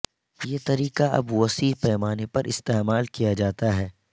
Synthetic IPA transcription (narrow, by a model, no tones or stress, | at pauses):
jeːt̪ɐɾiːqaɐ̰bwɐsiːpɛːmaːnepɐɾʔɪst̪eːmaːlkijad͡ʒaːt̪aɦɛː